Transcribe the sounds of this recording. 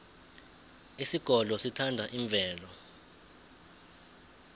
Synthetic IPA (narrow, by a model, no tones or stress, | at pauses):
isiɡ̥ʱɔlɔsitʰandʱaʔiɱb̪vʱɛːlɔ